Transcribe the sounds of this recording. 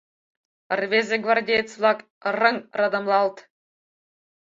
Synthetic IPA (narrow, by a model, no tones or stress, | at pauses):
ərvʲezʲĕɡvɑrdʲejt͡slˠɑk | rɤ̆ŋrɑd̪ɤ̆mlˠɑlˠt̪